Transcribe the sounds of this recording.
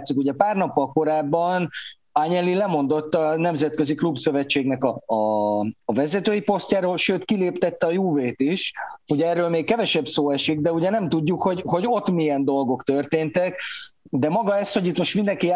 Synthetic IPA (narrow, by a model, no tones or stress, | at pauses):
t̪sikuɟɛpaːrnɒpːɒlko̞ɾaːbːɒn | aːɲɛlːilɛmo̞nd̪o̞t̪ːɒnɛmzɛt̪køziklubsø̞vɛt͡ʃːeːɡnɛkɒː | vɛzɛt̪øːjipo̞sc̪aːɾoːlʃøːt̪kileːpt̪ɛt̪ːɛɒjuːveːt̪iʃuɟɛɛːrːøːlmeːkkɛvɛʃɛbsoːɛʃiɡd̪ɛuɟɛnɛmt̪uɟːukho̞ɟho̞ɟo̞t̪mijɛnd̪o̞lɡo̞kt̪ø̞rt̪eːnt̪ɛkd̪ɛmɒɡɒɛsho̞ɟit̪mo̞ʃt̪mind̪ɛŋki